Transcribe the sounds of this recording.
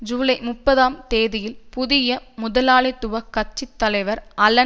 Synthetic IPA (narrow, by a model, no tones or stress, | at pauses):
d͡ʒuːlɐɪmʊpːɐðaːmt̪eːðɪjɪlpʊðɪjɐmʊðɐlaːlɪt̪ːʊʋɐkːɐt͡ʃːɪt̪ːɐlɐɪʋɐɾʔɐlɐ